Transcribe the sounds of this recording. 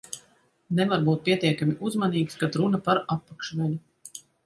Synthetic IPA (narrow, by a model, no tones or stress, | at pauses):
nɛvaɾbuːt̪̚pʲiɛt̪iɛkamʲiʔuzmaniːkskat̪ɾunapaɾapːakʃvɛlu